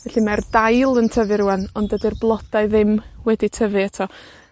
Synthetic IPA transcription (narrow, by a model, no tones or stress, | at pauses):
vɛɬimɛrdajlˠəntʰəvɪɾuɛnɔndədɪrblˠɔd̥aɨðɪmwɛditʰəvɨatʰɔ